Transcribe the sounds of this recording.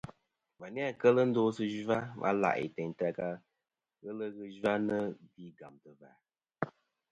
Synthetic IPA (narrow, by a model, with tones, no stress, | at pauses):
ma˨ni˦a˨kə˦lə˦n̩˦do˦sɨ˦ʒa˦mʔa̰˦la̰˨ʔḭ˨tɛ˨ɲ˨ta˧ka˦ | ɣə˦lə˦ɣɨ˦ʒa˦nə˦di˦ɡa˨mtɨ˨va˨